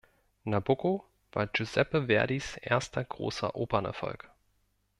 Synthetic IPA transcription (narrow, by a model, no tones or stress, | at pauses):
naboko | v̥a̰ːɐd͡ʒuzɛpəvɛɐdisʔḛːɐstʰɐɡ̥ʁo̰ːsɐ̰ʔoːbɐnɛ̰ɐfɔ̰lk